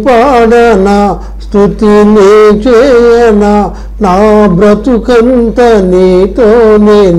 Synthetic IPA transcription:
paːɽɐna | st̪ut̪init͡ʃɛːjɐnɐ | naːbɾɐt̪ukɐnt̪ɐniːt̪oːneːnu

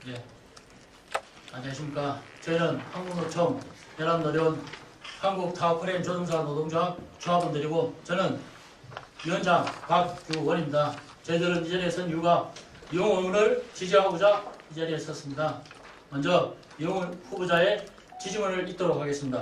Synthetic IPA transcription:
je̞ | aɲiɦaɕʰimɲik͈at͡ɕʌinɯnhaŋɡuŋnot͡ɕʰʌmjʌɾannʌɾjʌnhaŋɡuk̚tʰaokʰɯɾent͡ɕodoŋsʰatodʰoŋd͡ʑat͡ɕoɦabʌndɯɾiɡot͡ɕʌnɯn | jiʌnd͡ʑaŋpakkjuwʌnimɲida | t͡ɕʌidɯɾɯnid͡ʑaɾiesʰʌnjuɡa | jŋʌnɯɭt͡ɕid͡ʑiɦaɡud͡ʑaid͡ʑeɾies͈ʌs͈ɯmɲida | mʌnd͡ʑʌ | joŋnɸubud͡ʑae̞ | t͡ɕid͡ʑiŋʌnɯɭit͈oɾok̚ʰaɡe̞s͈ɯmɲida

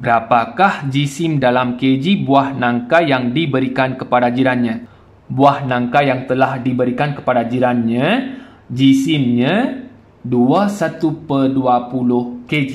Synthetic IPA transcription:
bəɾapakahd͡ʒisimdalamked͡ʒibuahnãŋkajaŋdibəɾikankəpadad͡ʒiɾanɲã | buahnãŋkajaŋt̪əlahdibəɾikankə̥padad͡ʒiɾanɲã | d͡ʒisimɲã | duasat̪upəduapulʊhked͡ʒi

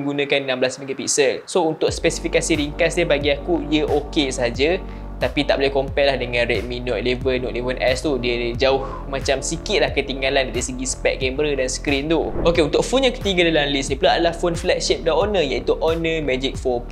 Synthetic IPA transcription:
ɡunə̃kannãmblasmiɡət̪̚piksəlsount̪ʊk̚spɛsi̥fikasiɾiŋkasɲəbaɡiakujəʔokesəɦad͡ʒə | t̪apit̪aʔbolɛhkompɛʔlahdəŋãnrɛt̪̚mĩnɔt̪̚levəlnɔʔ̪̚levənʔɛst̪udiəd͡ʒaʊh | mãt͡ʃamsikɪt̪̚lahkət̪iŋɡalandaɾisəɡisə̥pɛk̪̚ɡɛmbɾədanskɾint̪uʔokeunt̪ʊk̚funɲãkə̥t̪iɡədalamlisnə̃pulaadalahfonflɛk̚ʃip̚daonə̃jait̪uʔonə̃mɛd͡ʒik̚fɔm

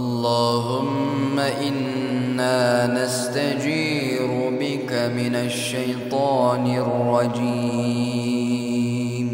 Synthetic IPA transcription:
ʔɑllˤːɑːɦʊmː | aʔɪnː | aːnast̪ad͡ʒiː | ɾʊbɪkamɪnaʃːajt̪ˤɑːnɪrːɑd͡ʒiː | m

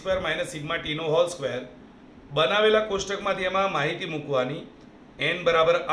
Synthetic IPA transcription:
kʋeəɾmajnəsiɡmãʈinoɦɔlskʋejəɾ | bənaʋelakosʈəkmãt̪ʰiemãmaɦit̪imũkʋani | ɛnbəɾabəɾa

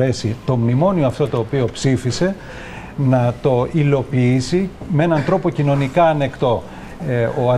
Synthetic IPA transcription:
ɾe̞sit̪o̞mnimo̞nioɐft̪o̞t̪o̞ːpio̞psifise̞ | nɐt̪o̞ilo̞piisimee̞nɐnt̪ɾo̞po̞cino̞nikɐːne̞kt̪o̞ | oɐ

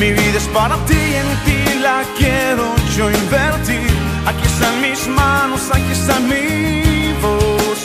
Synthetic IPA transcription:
miviðɐspaɾɐt̪iɛ̃nut̪ilakɛɾʊt͡ʃoĩvɛɾt̪iɾ | akisɐ̃mizmãnʊsɐkisɐmi | vos

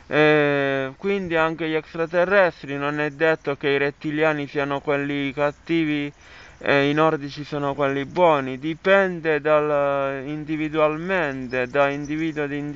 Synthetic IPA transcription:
ɛkwind̪iaŋk̟eʎɛkst̪ɾat̪ɛrːɛst̪ɾinonɛd̪ːet̪ːokeiɾet̪ːiljaːnisiːanokwelːikat̪ːiːvi | einɔrd̪it͡ʃisɔːnokwelːibwɔːnid̪ipɛnd̪ed̪alind̪ivid̪ualmɛnt̪ed̪aind̪iviːd̪uod̪in

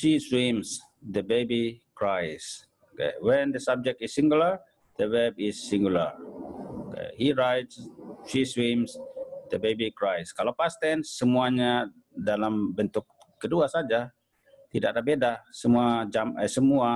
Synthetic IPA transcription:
ʃiswims | d̪əbebikɹajs | okḛwɛ̃nd̪əsab̚d͡ʒɛk̚tisːĩŋɡuləɹ | d̪̥əwɛb̚ɪsːiŋɡulə̰ɹokḛhiɹajtsʃiswimsd̪əbebikɹajskalawpast̪ɛnsəmuaɲa | dalambənt̪ʊk̚ːəduasad͡ʒa | t̪idaʔ̚ɾabedasəmuad͡ʒama̰səmua

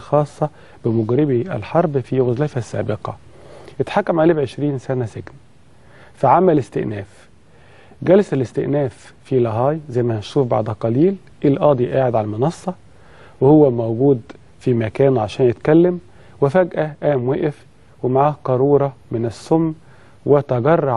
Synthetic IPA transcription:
xɑːsˤːɑ | bɪmʊɡɾɪbiʔæ̰lħɑɾˤbfiɣʊzlæjfæsːæ̰ːbɪqɑ̰ | ʔɪt̪ħakːæmʕaliːbʕeʃɾiːnsænæsɪɡn | fæʕamːælɪst̪ɪʔnæːf | ɡælsælɪst̪ɪʔnæːfː | ilɑɦɑːjzæjmæhænʃuːfba̰ʕd̪qɑliːl | ʔelʔɑːd̪ˤiʔaːʕed̪ʕalælmɪnɑsˤːɑ | wɪhowːæmowɡuːd̪ | fimækæːnʕaʃæːnjet̪kælːæm | wɪfæɡʔæʔæːmweʔæf | wɪmaʕaːhqɑɾˤuːɾˤɑmɪnæsːʊmː | wɪt̪æɡɑrˤːɑ

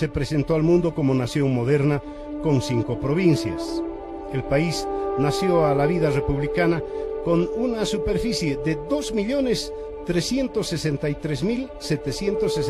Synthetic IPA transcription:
se̞pɾese̞nt̪oalmũnd̪o̞ko̞monasjo̞ŋmo̞ðeɾna | ko̞nsiŋko̞pɾo̞βinsja̰s | elpaisnasjoalaβiðare̞puβlikanakonunasupe̞ɾfisjeðeðo̞zmiʎo̞nes | t̪ɾesje̞nt̪osːe̞sent̪ajt̪ɾezmil | set̪esjent̪oses

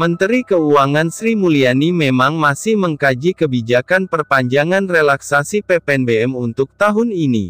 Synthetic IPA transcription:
mənt̪əɾikəuaŋansɾimulianimemaŋmasɪhməŋkad͡ʒikəbid͡ʒakanpərpaɲd͡ʒaŋanrelaksasipepɛnbeɛmunt̪ʊk̚t̪aɦʊninḭ

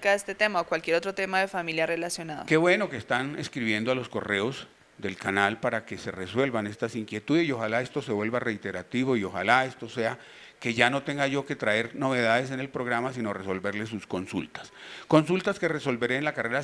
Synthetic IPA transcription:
kaest̪e̞t̪e̞maokwalkje̞ɾo̞t̪ɾo̞t̪e̞maðe̞familjare̞lasjo̞naðo̰ke̞βwe̞no̞keːst̪aneskɾiβ̞je̞nd̪oalo̞sko̞̰re̞o̞z | d̪e̞lkanalpaɾake̞se̞re̞swe̞lβane̞st̪asiŋkje̞t̪uðe̞sio̞xalaest̪o̞se̞βwe̞lβare̞it̪e̞ɾat̪iβo̞io̞xa̰lae̞st̪o̞se̞a | ke̞ʝano̞t̪e̞ŋɡaʝo̞ke̞t̪ɾae̞ɾno̞β̞e̞ð̞aðe̞s̬e̞ne̞lpɾo̞ɣ̞ɾamasino̞re̞so̞lbe̞ɾle̞s̬usko̞nsṵlt̪ḁsko̞nsult̪aske̞reso̞lbe̞ɾeːnlakare̞ɾa

